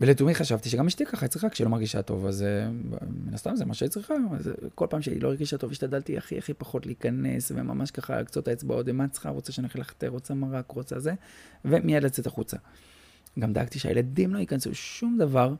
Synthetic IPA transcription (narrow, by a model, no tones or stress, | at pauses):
veletumiχaʃavt̪iʃ̬eɡamiʃt̪ikaχait͡sʁiχakʃelo̞maʁɡiʃa̰to̞̰vazḛminast̪amzemaʃeit͡sʁiχazko̞lpaːmʃeḭlo̞eɡiʃat̪o̞viʃt̪adalt̪ia̰χḭa̰χipaχo̞t̪leikane̞̰svḛma̰mʔaʃkaχa̰kt͡sotaet͡sba̰o̞t̪vemat͡sχa̰ʁot͡saʃenaχilaχḁt̪eʁot͡samaʁakʁot͡sazeve̞mijadlat͡se̞t̪aχut͡sa | ɡamd̪aaɡt̪iʃea̰jeladimlo̞ikansṵʃumd̪avaʁ